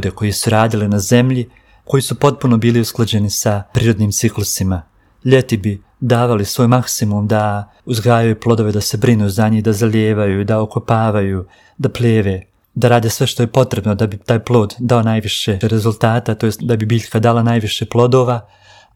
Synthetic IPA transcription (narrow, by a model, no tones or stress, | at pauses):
d̪eko̞jisuɾaːd̪ilinaze̞mʎi | ko̞jisupo̞t̪̚puno̞biːliusklˠad͡ʑe̞nisapɾiːɾo̞d̪niːmt̪siklˠusima | ʎe̞t̪ibi | d̪aːʋalisʋojmaksimumd̪a | uzɡɾaːjajuplˠo̞d̪o̞ʋe̞d̪ase̞bɾinuzaɲid̪azaʎeːʋajud̪aokopaːʋaju | d̪apleːʋe̞ | d̪aɾaːd̪esʋe̞ʃt̪o̞je̞po̞t̪ɾe̞bno̞d̪abit̪aːjplˠo̞ːd̪d̪ao̞naːjʋiʃe̞ɾe̞zulˠt̪aːt̪at̪ojed̪abibiːʎkad̪alˠanajʋiʃe̞plˠo̞d̪o̞ːʋa